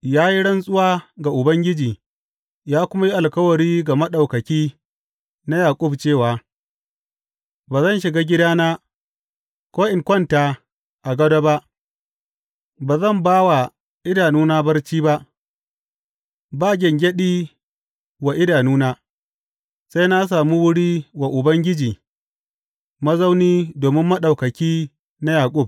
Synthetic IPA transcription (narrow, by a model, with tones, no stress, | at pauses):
jaː˦ji˦ɽɐ˦nsʼʊ˦waː˦ɡa˨ʔʊ˨bɐ˦ŋɡʲɪ˦d͡ʒiː˨ | jaː˦kʷʊ˦ma˦ji˦ʔa˨lkɐ˦wɐ˨ɽiː˦ɡa˨mɐ˦ɗa˨wkɐ˨kʲiː˦ | na˦jaː˨kʷʼʊ˦bt͡ʃeː˦˨waː˨ | baː˨zɐ˦˨nʃɪ˨ɡaː˦ɡʲɪ˦daː˦naː˦ | kʷoː˦ʔɪ˨ŋkʷɔ˦˨nta˨ | ʔa˨ɡɐ˦do˦ba˦ʔ | baː˨zɐ˦˨mbaː˦wa˨ | ʔɪ˦daː˨nuː˦naː˦bɐ˦rt͡ʃiː˦ba˦ʔ | baː˦˨ɡʲɪ˨ŋɡʲɛ˦ɗiː˦ | wa˨ʔɪ˦daː˨nuː˦naː˦ | sa˦jna˦s̬aː˨mu˦wʊ˦ɽiː˦wa˨ʔʊ˨bɐ˦ŋɡʲɪ˦d͡ʒiː˨ | mɐ˦za˦wniː˦doː˨mɪ˦mːɐ˦ɗa˨wkɐ˨kʲiː˦ | na˦jaː˨kʷʼʊ˦˨b̚